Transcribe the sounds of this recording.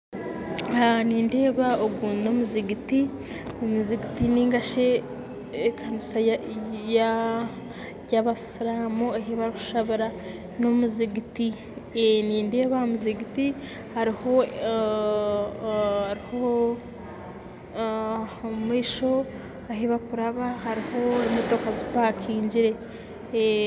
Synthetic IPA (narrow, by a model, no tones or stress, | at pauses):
aniːnde̞ːβaoɡunomuziɡiti | omuziɡitiniːŋɡaʃeː | kʰanisaja | jaβasɾaːmuaɦiβaɾku̥ʃaβiɾa | nomuziɡiti | eniːndeβamuziɡiti | haɾiho̞ | haɾiho | miːʃo̞ | aɦiβakuɾaβahaɾiho̞imoto̞kazipakʰiːɲɟiɾe̞